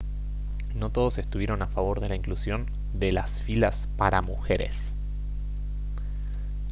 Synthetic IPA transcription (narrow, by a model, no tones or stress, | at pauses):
no̞t̪o̞ð̞o̞se̞st̪uβjeɾo̞nafaβ̞o̞ɾð̞e̞laiŋklusjo̞n | d̪e̞lasfila̰spaɾamuxe̞ɾe̞̰s